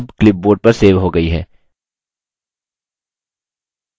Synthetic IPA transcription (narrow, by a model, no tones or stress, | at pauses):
bklɪp̚boːɖ̚pɐɾseːʋɦoɡɐiɦɛ̰ː